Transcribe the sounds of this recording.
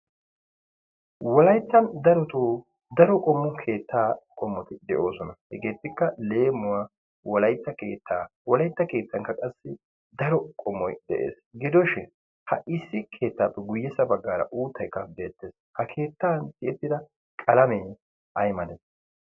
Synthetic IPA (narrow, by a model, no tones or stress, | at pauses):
wɔlɐjt̪ːɐnd̪ɐɾɔt̪oː | d̪ɐɾɔkʼɔmːʊkʰe̞ːt̪ʰːaːkʼɔmːɔt̪ɪd̪ɛʔo̞ːsɔnɐhɛ̰ɡe̞ːt̪ːɪkːɐle̞ːmːʊwa | wɔlɐjt̪ːɐke̞ːt̪ːaːwɔlɐjt̪ːɐke̞ːt̪ːɐŋkːɐkʼɐsːɪ | d̪ɐɾɔkʼɔmːɔjd̪ɛ̰ʔḛːsɡɪd̪ɔʃɪn | hɐ̰ʔɪsːɪkʰe̞ːt̪ːaːpːɛɡʊjːɛsːɐbɐɡːaːɾɐ̰ʔuːt̪ːɐjkːɐbe̞ːt̪ːes | hɐkʰe̞ːt̪ːaːntɪɛt̪ːɪd̪ɐ | kʼɐlɐme | ʔɐjmɐd̪ɛs